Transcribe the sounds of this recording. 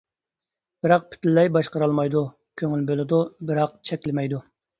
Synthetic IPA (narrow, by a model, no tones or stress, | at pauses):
b̥ɪɾɑq̚pʰy̥t̪ɪlːɛjbɑʃqəɾɑlˠmɑjd̪u | kʲʰøŋylbølˠɪd̪ubɪɾɑq̚t͡ʃʰɛkʲlɪmɛjd̪u